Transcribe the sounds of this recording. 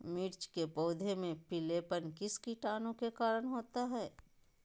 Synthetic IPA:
mɪɾt͡ʃkepɔːd̪ʱemẽpileːpənkɪskiʈaːnõkekaːɾəɽ̃ɦoːt̪aɦɛː

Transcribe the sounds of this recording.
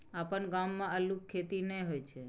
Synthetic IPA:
apəɳɡamːãəlũkʰːet̪inẽjɦojt͡ʃʰe

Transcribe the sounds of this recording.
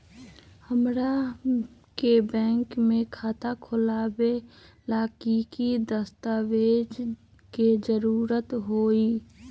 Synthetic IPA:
həmɾa | kebɛ̃ːŋkmẽkʰaːt̪akʰʊlaːbe | laːkikid̪əst̪aːʋeːd͡ʒ | ked͡ʒəɾuːɾət̪ɦoːiː

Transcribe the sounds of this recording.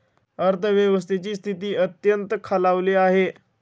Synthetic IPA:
əɾt̪ʰəʋjəʋəs̬t̪ʰet͡ɕiːst̪ʰit̪iːət̪jənt̪əkʰalaʋleːaɦe

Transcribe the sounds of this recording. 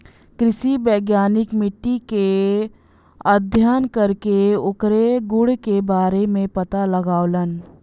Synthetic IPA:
kɾɪʃibeːɡjaːnɪkmɪʈːike | əd̪ʱjaːnkɐɾkeʊkɾeɡʊɽkebaːɾemẽpɐt̪aləɡaːolən

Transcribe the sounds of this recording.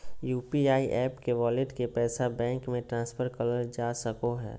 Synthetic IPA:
juːpiaːiʔɛːpkeʋɔːlɪʈkepɛːsabɛ̃ːŋkmẽʈɾãːnspʰəɾkələɾd͡ʒaːsəkoɦɛ̰ː

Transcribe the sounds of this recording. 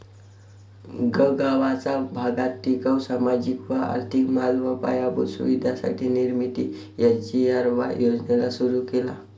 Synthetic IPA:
ɡəɡaʋat͡sabʱaɡat̪ːikawsamad͡ʑikʋəa̰ɾt̪ʰikmalʋəpa̰jabṵsṵʋid̪ʱasa̰ʈʰiːniɾmit̪i | jad͡ʑiaɾʋa̰jod͡znelasuɾukela̰

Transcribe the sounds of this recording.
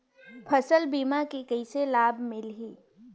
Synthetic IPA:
pʰɐsəlbiːmakikɐɪselaːbmɪlɦiː

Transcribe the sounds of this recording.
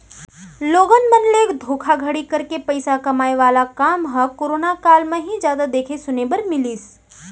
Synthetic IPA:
loːɡənmɐnleːkd̪ʱoːkʰaɡʱɐɽikɐɾkepɐɪsakɐmaːeʋaːlakaːmɦɐkoːɾoːnakaːlmẽɦid͡ʒjaːd̪ad̪eːkʰesʊnebɐɾmɪliːs

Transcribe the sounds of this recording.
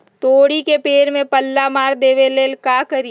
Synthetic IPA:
t̪oːɽikepeːɾmẽpɐlːamaːɾd̪eːʋeleːlkaːkəɾi

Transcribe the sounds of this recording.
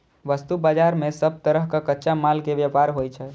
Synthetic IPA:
ʋəst̪ubad͡ʒaɾmẽsəb̚ʱt̪əɾəɦkakətːʃamalkeʋjəpaɾɦojt͡ʃʰɛ

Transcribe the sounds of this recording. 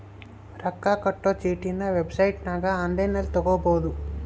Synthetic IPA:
ɾɐkːaːkɐʈːoːt͡ʃiːʈinɐʋebsɐjʈnaːɡaɐnd̪enɐlt̪ɔɡoboːd̪u

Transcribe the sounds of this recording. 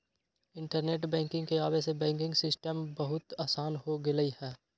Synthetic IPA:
ɪ̃ɳʈəɾneːʈbɛ̃ːŋkɪ̃ŋɡkeaːbesebɛ̃ːŋkɪ̃ŋɡsɪsʈəmbɐɦʊt̪aːsaːnɦoɡɪləihɛː

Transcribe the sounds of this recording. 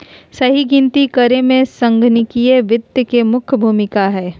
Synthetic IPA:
sɐɦiɡɪ̃nt̪ikəɾemẽsɐ̃ŋɡʱnɪkieʋɪd̪jəkemʊkʰbʱuːmɪkaɦɛː

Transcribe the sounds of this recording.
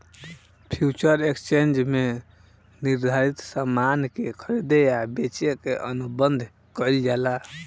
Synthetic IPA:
pʰjut͡ʃəɾekst͡ʃend͡ʒme | niɾd̪ʱaɾit̪samankekʰəɾid̪ejabet͡ʃekeʔənubənd̪ʱ | kəjld͡ʒala

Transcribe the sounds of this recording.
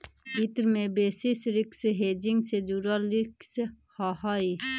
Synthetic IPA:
ɪt̪ɾmẽbeːsisɾɪkseɦeːd͡ʒɪŋɡsed͡ʒuɾalɪkshahaːi

